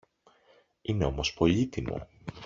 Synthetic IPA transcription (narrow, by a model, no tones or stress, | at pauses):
ine̞o̞mo̞spo̞ʎit̪imo̰